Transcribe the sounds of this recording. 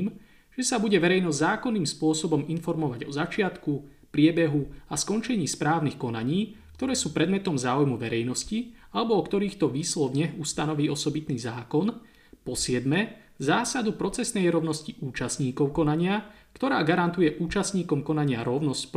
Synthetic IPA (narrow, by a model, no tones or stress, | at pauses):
iːm | ʒ̥ɛsabuɟɛʋɛɾɛjnɔzzaːkɔnːiːmspʊɔsɔbɔminfɔɾmɔʋaɟɔzat͡ʃɪat̪ku | pɾɪɛbɛɦuaskɔnt͡ʃɛɲiːspɾaːʊnixkɔnaɲiː | kt̪ɔɾɛːsuːpɾɛd̪mɛt̪ɔmzaːujmuʋɛɾɛjnɔscialɛbɔɔkt̪ɔɾiːxt̪ɔʋiːslɔvɲɛɦust̪anɔʋiːɔsɔbit̪niːzaːkɔn | pɔsɪɛd̪mɛ | zaːsad̪upɾɔt͡sɛsnɛjɾɔʊnɔsciʔuːt͡ʃasɲiːkɔʊkɔnaɲɪa | kt̪ɔɾaːɡaɾant̪ujɛʔuːt͡ʃasɲiːkɔmkɔnaɲɪaɾɔʊnɔscp